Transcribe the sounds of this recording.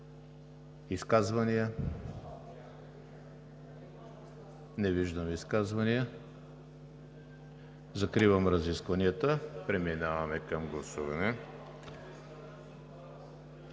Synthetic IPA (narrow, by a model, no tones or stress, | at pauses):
iskazvɐnijə | nɛviʒd̪əmiskazvɐnijə | zɐkɾivɐmɾɐziskvɐniət̪əpɾɛminavɐmɛkɐmɡlˠɐsuvɐnɛ